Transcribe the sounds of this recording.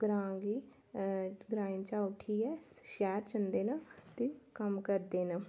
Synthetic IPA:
ɡɾãːɡiː | ɡɾãːint͡ʃaʊʈʰiɦɛːʃɛːɾt͡ʃənd̪eːnat̪ikəmkəɾd̪eːna

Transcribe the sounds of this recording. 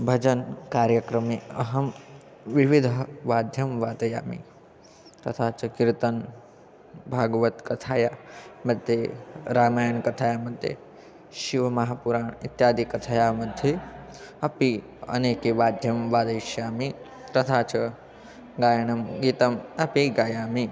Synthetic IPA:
bʱɐd͡ʒɐnkaːɾjɐkɾɐmeɐɦɐm | ʋiʋid̪ʱɐʋaːd̪ʱjɐmʋaːt̪ɐja̰ːmḭ | t̪ɐt̪ʰaːt͡ʃɐkiɾt̪ɐn | bʱaːɡʋɐt̪kɐt̪ʰaːjaːmɐd̪ʱjeɾaːmaːjɐɳkɐt̪ʰaːjaːmɐd̪ʱjḛ | ʃiʋɐmɐɦaːpuɾaːɳit̪jaːd̪ikɐt̪ʰajaːmɐd̪ʱje | ɐpi | ɐ̰neːkiʋaːd̪ʱjɐmʋaːd̪ɐjʃjaːmi | t̪ɐt̪ʰaːt͡ʃɐ | ɡaːjɐɳɐmɡiːt̪ɐmɐpiɡaːjaːmi

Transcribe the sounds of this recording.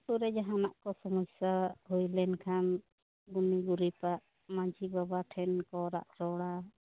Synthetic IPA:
suɾɛd͡ʒaɦanaʔkɔsɔmɔsaɦujlɛnkʰan | ɡuniɡuɾipaʔ | mãd͡ʒibabaʈʰɛnkɔɾaʔɾɔɽa

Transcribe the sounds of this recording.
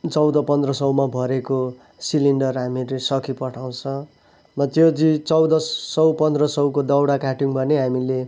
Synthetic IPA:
t͡sʌwd̪ʌpʌnd̪rʌsʌwmabʱʌɾeko | siliɳɖʌrɦamiɾesʌkʰipʌʈʰaw̃t͡sʰʌ̃ | mʌt̪jod͡zit͡sʌwd̪ʌsʌwpʌnd̪rʌsʌwkod̪ʌwɽakaʈiŋbʱʌneɦamile

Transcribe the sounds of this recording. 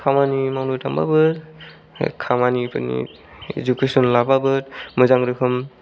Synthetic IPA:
kʰamanimawnutʰamba̰bɯɾ | kʰamanipɯ̰nḭ | ḛd͡ʒukesɔnlababɯɾmɯzaŋɾɯkʰɯm

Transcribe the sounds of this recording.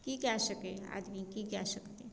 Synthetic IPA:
kikɛsəkea̰ːd̪mikikɛsəkt̪eɛ̃

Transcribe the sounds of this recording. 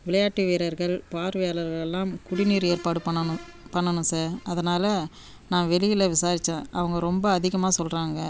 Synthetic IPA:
ʋɪɭɐjaːʈːiʋeːɾɐɾɣɐɭpaːɾʋɐjaːlɐɾɣɐɭɛlːaːmkʊɽɪniːɾeːɾpaːɽɯpɐɳːɐñ | pɐɳːɐnʊ̃saːɾɐðɐnaːlɐ | naːʋɛlɪjɪlɐʋɪsaːɾɪt͡ʃːẽːʔɐʋɐŋɡɐɾɔmbɐːðɪɣɐmaːsɔlraːŋɡɐ

